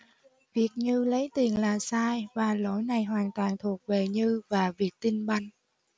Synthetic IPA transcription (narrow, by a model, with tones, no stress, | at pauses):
vi˨˩ək̚ɲɨ˧lə˨˦jt̪i˨˩ənlaː˨˩saː˧jvaː˨˩lo̰˧˥˦jna˨˩jɦwaː˨˩nt̪waː˨˩nt̪ʰu˨˩ək̚ve˨˩ɲɨ˧vaː˨˩vi˨˩ək̚t̪i˧ŋɓa˧jŋ̟